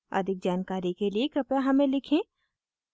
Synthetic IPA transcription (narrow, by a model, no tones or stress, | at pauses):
a̰d̪ʱɪk̚d͡ʒaːnkaːɾikeliekɐpjaɦɐmẽlɪkʰẽ